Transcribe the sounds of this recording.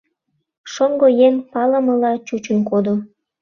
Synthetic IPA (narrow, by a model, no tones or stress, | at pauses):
ʃoŋɡojeŋpɑlə̆mə̆lɑt͡ɕut͡ɕənkod̪o